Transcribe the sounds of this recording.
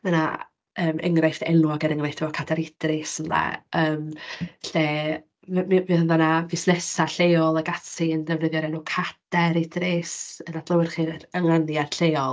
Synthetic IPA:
məna̰ | əːmɛŋrajftɛnwɔɡɛɾəŋrajθtɔɔkʰadɛɾɪd̥rɪsənla̰əːmɬeː | mmɨðənðanavɪsnɛsaɬejɔlˠaɡatʰiəndɛvnəðjɔɾɛnukʰad̥ɛɾɪdrɪsənad̥lˠəwɪrχiːəŋanjad̥ɬejɔlˠ

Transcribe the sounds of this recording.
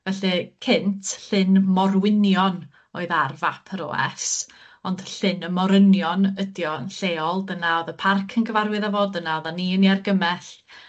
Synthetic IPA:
vɛɬɨkʰɪntʰɬɪnmɔɾwɪnjɔn | oɨðarvapʰəɾɔ̰ːɛ̰s | ɔnd̥ɬɪnəmɔɾənjɔnədjɔənɬeːɔlˠdənaɔðəpʰarkʰənɡəvaɾwɨðavoːdənaɔðaniəniarɡəmɛɬ

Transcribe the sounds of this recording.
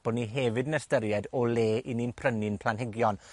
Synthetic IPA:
b̥ɔniɦɛvɨdnɛstəɾjɛdɔleːʔininpʰrənɪnpʰl̥ˠanɦɪɡjɔn

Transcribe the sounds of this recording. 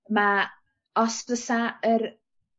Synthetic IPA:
ma | ɔspəsaəɾ

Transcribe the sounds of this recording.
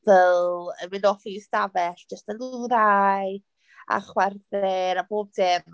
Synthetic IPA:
vɛlˠəmɪnɔfistavɛɬəstənluɾaj | a̰χwɛrθɛɾaboːb̚dɪm

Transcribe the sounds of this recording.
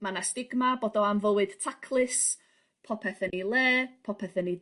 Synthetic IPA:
manastɪɡmaboːdɔamvəwɨd̥tʰakʰlˠɨs | pʰɔpʰɛθənilˠeːpʰɔpʰɛθəni

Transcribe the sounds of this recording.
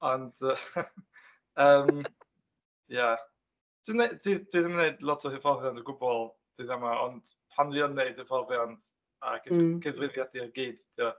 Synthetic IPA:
ɔndə | əːm | ja | d̥ɪnedʰid̥wiðəmanejdlˠɔtʰɔhɪvɔlvjandəɡʊbɔlˠ | d̥iðamaɔ̰nd̥pʰanliɔnːeɨd̥ɪvɔlvjand̥ | a̰ɡɡ̥ɛvrɪvjadiɔrɡiːd̥d̥iɔ

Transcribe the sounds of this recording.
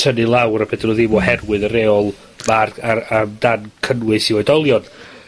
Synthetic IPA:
tʰənɨlˠawrəpʰɛdrʊðiːmohɛrwɨðəɾeːɔlˠ | maraamdankʰənwɨsiɔɨdɔlˠjɔn

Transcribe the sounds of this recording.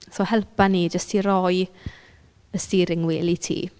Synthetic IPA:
soːhɛlˠpaniːd͡ʒəstʰiɾɔj | əstiːɾɪŋwɪlitʰḭː

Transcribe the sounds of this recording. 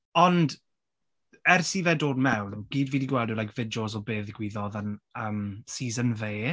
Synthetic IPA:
ɔnd | ɛrsivɛdoːdmɛwnɡ̥iːdviːdiɡwɛlˠdəlajkʰv̥ɪdɔzɔbeːðɪɡwiðɔðənəːmsiːzənveː

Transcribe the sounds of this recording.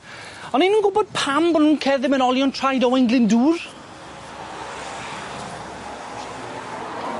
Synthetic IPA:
ɔninuːnɡʊbɔd̥̚pʰambɔnhuːnkʰɛðɪmənɔlˠjɔntʰrajdɔwɛnɡlɪnduːr

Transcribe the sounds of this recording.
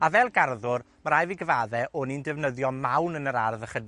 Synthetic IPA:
avɛlˠɡarðʊr | maɾajviɡəvaːðɛʔɔnindɛvnəðjɔmawnənəɾarðəχəd

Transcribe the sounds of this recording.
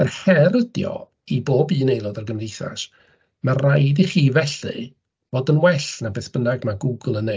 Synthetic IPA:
ərhɛɾədjɔ̰ | iboːbiːnejlˠɔdarɡəmriθa̰ʃ | marajdiχiːvɛɬɨ̰ | voːdənwɛɬnabɛθb̥ənaɡmaɡʊɡʊlˠəne

